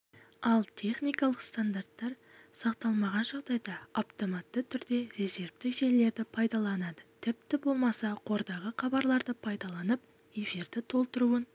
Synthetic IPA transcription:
ɑlˠt̪ʲʰe̞χnijkɑlˠəqst̪and̪art̪ːɑɾ | sɑqt̪ɑlˠmɑʁɑnʒɑʁd̪ɑjd̪ɑaft̪o̞mɑt̪ːət̪ʰʏɾd̪e̞ɾe̞ze̞ɾvt̪ɪkʒe̞le̞ɾd̪ɪpʰɑjd̪ɑlˠɑnɑd̪ət̪ʰɪp̚t̪ɪbo̞lˠmɑsɑqʰo̞ɾd̪ɑʁəqɑbɑɾlˠɑɾd̪əpʰɑjd̪ɑlˠɑnəp̚ | e̞fiɾd̪ɪt̪ʰo̞lˠt̪əɾuən

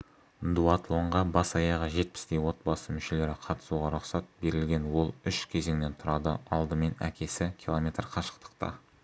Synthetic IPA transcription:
d̪uat̪lˠo̞ɴʁɑbɑsɑjɑʁəʒe̞t̪̚pɪ̥st̪e̞jwo̞t̪̚bɑsəmʏʃe̞le̞ɾɪqʰɑt̪ə̥suʁɑɾʊqsɑt̪̚be̞ɾɪlɡʲe̞nwo̞lˠʏʃkʲʰe̞ze̞ŋne̞nt̪ʰʊɾɑd̪ə̰ɑlˠd̪əme̞næ̰kʲe̞sɪkʲʰilˠo̞mʲe̞t̪rqʰɑʃə̥qt̪ə̥qt̪ɑ̰

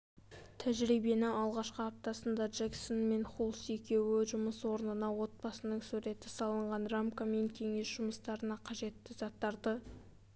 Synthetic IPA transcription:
t̪ʰæʒɾijbe̞nɪɑlˠʁɑʃqəap̚t̪ɑsənd̪ɑʒeksonme̞nχulˠse̞kʲe̞wɪʒʊməswo̞ɾnənɑwo̞t̪̚bɑsənəɴsʉɾe̞t̪ɪsɑlˠəɴʁɑnramkame̞ŋkʲʰe̞ŋe̞sʒ̥ʊməst̪ɑɾənɑqʰɑʒe̞t̪ːɪzɑt̪ːɑɾd̪ə

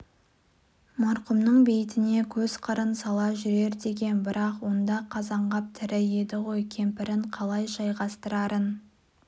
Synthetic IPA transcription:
mɑɾqʊmnəɴbe̞jɪt̪ɪne̞kʲʰɵz̥qʰəɾənsɑlˠɑʒʏɾe̞ɾd̪e̞ɡʲe̞nbɪɾɑqwo̞nd̪ɑqʰɑzɑɴʁɑp̚t̪ʰɪɾɪje̞d̪ɪʁo̞jkʲʰe̞mpɪɾɪɴqʰɑlˠɑjʒɑjʁɑst̪əɾɑɾən

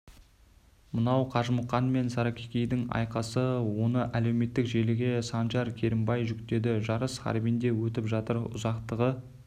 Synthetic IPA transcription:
mənɑwqʰɑʒməqːɑnme̞nsɑɾɑkʲʰekʲe̞jd̪ɪŋɑ̰jqɑsəwo̞nəʔæle̞wme̞t̪ːɪkʒe̞lɪɡʲe̞sɑnʒɑɾkʲʰe̞ɾɪmbɑjʒʏkt̪e̞d̪ɪʒɑɾəsχɑ̰ɾbijnd̪e̞wɵt̪ɪpʒɑt̪əɾʊ̰zɑqt̪əʁə

